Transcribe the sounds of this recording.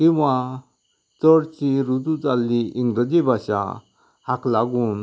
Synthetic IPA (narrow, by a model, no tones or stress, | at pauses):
kĩw̃ʋa | t͡səɽt͡ɕiɾud̪ut͡salːiiŋɡɾəd͡ʑibʱaɕa̰ | haklaɡuːn